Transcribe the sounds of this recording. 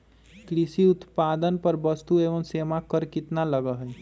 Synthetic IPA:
kɾisiut̪pad̪ənpəɾbəst̪ueʋəmsemakəɾkit̪naləɡəɦəj

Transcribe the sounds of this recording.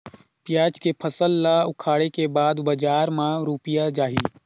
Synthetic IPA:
pjaːt͡ʃkepʰəsəlːaʊkʰaːɽekebaːd̪bɐd͡ʒaːɾmãɾuːpɪjad͡ʒaːɦḭː

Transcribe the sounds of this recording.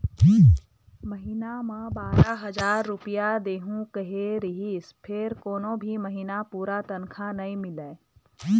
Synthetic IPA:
məɦiːnamãbaːɾaɦəzaːɾːʊpijad̪eːɦũkəɦeɾɪɦispʰɪɾkoːnõbʱiməɦiːnapuːɾat̪ənkʰanɐĩmɪleː

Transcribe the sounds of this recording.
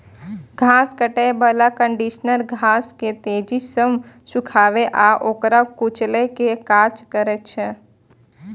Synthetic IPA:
ɡʱãːskəʈebəlakə̃ɳɖiʃnəlɡʱãːsket̪eːd͡ʒisəm | sʊkʰaːʋeʔaːʔoːkɾakut͡ʃlekekaːt͡ʃkəɾet͡ʃʰɛ

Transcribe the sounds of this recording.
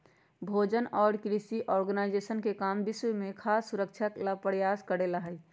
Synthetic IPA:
bʱoːd͡ʒənɔːɾkɾisiʔɔːɾɡənaɪd͡ʒesənkekaːmbɪswmẽkʰaːsːuɾək̚t͡ʃʰalapəɽjaskəɽeləɦɛj

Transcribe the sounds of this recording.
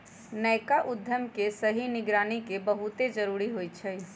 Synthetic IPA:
nəjkaʔud̪ʱːəmkesəɦiniɡɾaːnikebəɦut̪ed͡ʒəɾuɾiɦojt͡ʃʰəj

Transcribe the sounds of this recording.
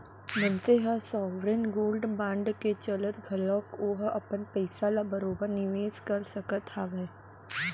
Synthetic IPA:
mə̃nseɦasɔːʋɾenɡoːlɖbãːɳɖket͡ʃələt̪ɡʱɐlɔ̃ːkoːɦɐpənpɛɪsalabəɾoːbəɾnɪʋeːskɐɾsəkət̪aʋɛː

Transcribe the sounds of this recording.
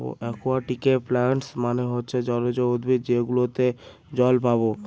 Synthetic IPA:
bo̰ʔɛkʰoaʈikeplaɳʈsmaneɦotːɕʰed͡ʑɔlod͡ʑood̪bid͡ʑeɡulot̪e | d͡ʑɔlpaβo

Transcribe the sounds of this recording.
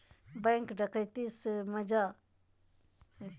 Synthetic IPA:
bẽŋkɖəkəjt̪isməd͡ʒa

